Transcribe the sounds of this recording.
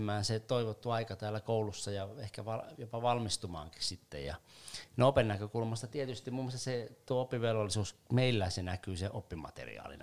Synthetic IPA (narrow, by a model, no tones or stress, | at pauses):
mˑæːnset̪oiʋot̪ːuɑikɑt̪æːlːækoulusːɑjɑehkæʋɑjopɑʋɑlmist̪umɑ̰ːŋki̥ssit̪ːḛjɑ̰neopennækøkulmɑst̪ɑt̪iet̪yst̪imumːost̪ɑset̪uoopːiʋelʋolːˑisuːsmeilːæsenækyːseʔopːimɑ̰t̪ḛrḭɑ̰ːlḭn